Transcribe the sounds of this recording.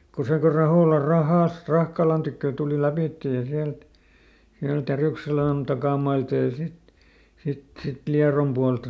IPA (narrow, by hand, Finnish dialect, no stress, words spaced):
ko se ko rɑhoˑlɑ rɑhɑˑst rɑhkɑlɑn tykːøˑ tuˑli læpiˑtːe jɑ siælt siælt jæryˑkselæˑn tɑkɑˑmɑiltɑ jɑ sit sit sit liɑrom puɑltɑ